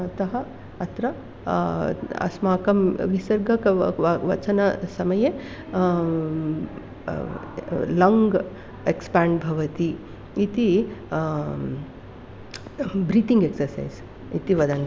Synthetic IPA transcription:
t̪ɐɦɐ | ɐt̪ɾɐ | ɐ̰smaːkɐmʋisɐɾɡɐkɐʋɐt͡ʃɐnɐsɐmɐje | lɐŋɡ | ekspaːɳɖbʱɐʋɐt̪iː | t̪i | bɾiːt̪iŋɡeksɐɾsɐ̰js | it̪iʋɐd̪ʱɐn

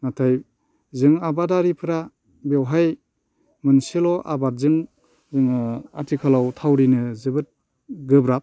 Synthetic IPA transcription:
natʰaj | zɯŋabadaɾipʰɯɾa | bewɦaj | mɯnsilɔʔa̰baɾ̚zɯŋ | ɯŋatʰikʰalawtʰawɾinɯzɯbɯt̚ | ɡɯbɾap̚

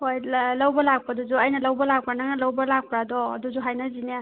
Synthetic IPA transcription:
hojlawbɐlak̚padud͡ʒuɐjnɐlawbɐlak̚pɾanaŋalawbɐlak̚pʰɾadɔ̰duzuɦajnazina

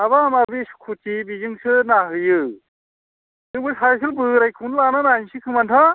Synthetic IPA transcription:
aβaːmabisu̥kʰut͡ʃibizɯŋsɯnaɦɯjɯ | tɯbɯsajsɯlbɯɾajkʰɯwnɯlananajnsʰɯkʰɯmantʰa

